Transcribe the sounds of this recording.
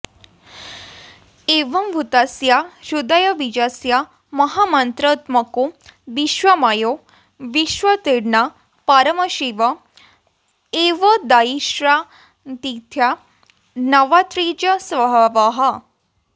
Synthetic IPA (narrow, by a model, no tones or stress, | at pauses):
eːʋɐmbʱut̪asjaʃud̪ɐjɐʋid͡ʒasja | mɐɦamɐnt̪ɾɐt̪mɐkoʋiʃʋɐmajo | ʋiʃʋɐt̪iɽna | paːɾɐmɐʃiʋɐ | eːʋɐd̪aiʃɾa | t̪it̪ʰja | nɐʋat̪ɾiːd͡ʒɐsʋɐbʱaʋaɦɐ